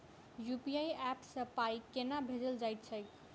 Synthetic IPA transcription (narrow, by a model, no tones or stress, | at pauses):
jupiaiɛpsəpaikenabʱed͡ʒəld͡ʒajt̪̚t͡ʃʰək